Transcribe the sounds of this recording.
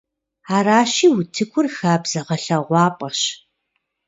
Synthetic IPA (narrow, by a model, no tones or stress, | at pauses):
aːɾaːɕiːwʊtʰɨkʷʰʊrxaːbz̥ɐʁɐɬɐʁʷɑːpʼɐɕ